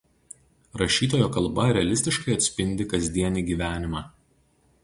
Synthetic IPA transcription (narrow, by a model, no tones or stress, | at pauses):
ɾɐʃʲiːt̪oːjoːkɐlˠˑbɐɾʲɛɐlʲɪsʲt̪ʲɪʃkɐɪɐt̪ʲsʲpʲɪnʲd̪ʲɪkɐzʲd̪ʲiɛnʲiːɡʲiːʋʲæːnʲɪmɑː